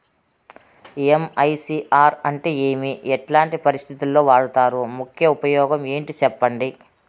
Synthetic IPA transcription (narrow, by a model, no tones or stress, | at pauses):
emɐjsiːʔaːɾɐɳʈeːeːmiɛʈlaːɳʈipɐɾist̪ʰit̪ulːo̞ːʋaːɽut̪aːɾumukʰjɐupɐjɔːɡɐme̞ːɳʈit͡ʃɛpːɐɳɖi